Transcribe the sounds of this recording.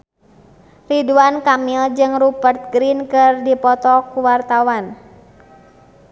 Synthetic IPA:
riduankamild͡ʒɨŋrupərt̪̚ɡɾinkɨrdipɔt̪ɔkuwart̪awan

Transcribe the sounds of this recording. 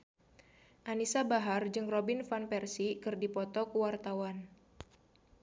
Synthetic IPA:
ʔanisabaɦard͡ʒɨŋrɔbinfanpɛrsikɨrdipɔt̪ɔkuwart̪awan

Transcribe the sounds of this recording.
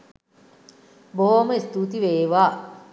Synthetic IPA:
boɦoməist̪uːt̪iʋeːʋaː

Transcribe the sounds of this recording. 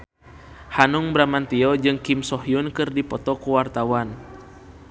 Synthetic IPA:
hanuŋbɾamant̪iɔd͡ʒɨŋkimsɔɦiunkɨrdipɔt̪ɔkuwart̪awan

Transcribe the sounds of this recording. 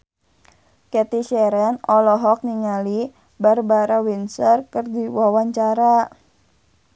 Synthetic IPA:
kɛt̪iʃɛɾɛnɔlɔɦɔk̚niŋali | barbaɾawinsərkɨrdiwawaɲt͡ʃaɾa

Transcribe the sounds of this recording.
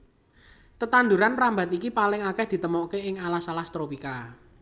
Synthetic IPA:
t̪ət̪and̪uɾanramba̤t̪ikipalɪŋakɛhd̪̥i̤t̪əmɔkeɪŋalasalast̪ɾopika

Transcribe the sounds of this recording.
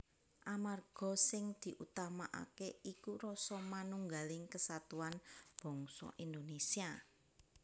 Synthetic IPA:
ʔamarɡ̥ɔ̤sɪŋd̪̥i̤ʔut̪amaʔa̰keikuɾɔsɔmanuŋɡalɪŋkəsat̪uanb̥ɔ̤ŋsɔ̰ʔind̪onesia

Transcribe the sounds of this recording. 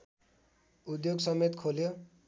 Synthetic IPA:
ud̪joɡsʌmet̪kʰoljo

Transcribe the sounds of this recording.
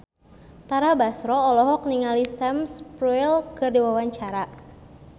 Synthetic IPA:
t̪aɾabasɾɔːlɔɦɔk̚niŋalisɛmspɾuilkɨrdiwawaɲt͡ʃaɾa

